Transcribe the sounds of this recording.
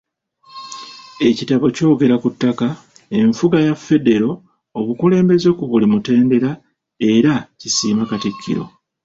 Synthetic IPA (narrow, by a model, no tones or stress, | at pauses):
e̞citaβo̞co̞ːɡe̞ɾakutːaka | e̞ɱfuɡajafːe̞de̞ɾo̞ː | βukule̞ːmbe̞zo̞kuβulimute̞ːnde̞ɾa | e̞ɾacisiːmakatikʰːḭɾo̞̰